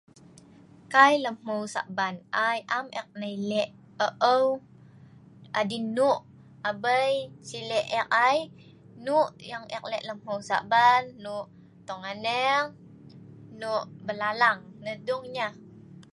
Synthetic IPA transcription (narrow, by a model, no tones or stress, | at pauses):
kajləmhəwsa̰ʔbanʔajʔamʔɛk̚najlɛʔ | əʔəw | ʔadinuʔ | abəjt͡ʃilɛʔɛk̚aj | nuʔjaŋʔɛk̚lɛʔləmhəwsa̰ʔbanːuʔ | t̪ɔŋanəŋ | nuʔbəlalaŋnəduŋɲa